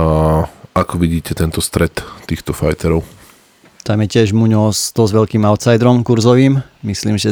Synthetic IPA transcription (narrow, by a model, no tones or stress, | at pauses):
akɔʋiɟiːcɛt̪ɛnt̪ɔst̪ɾɛt̪ːiːxt̪ɔfajt̪ɛɾɔʊ | t̪amjɛcɪɛʒmuɲɔsd̪̥ɔzʋɛlkiːmaʊt̪sajd̪ɾɔmkuɾzɔʋiːmmisliːmʒɛ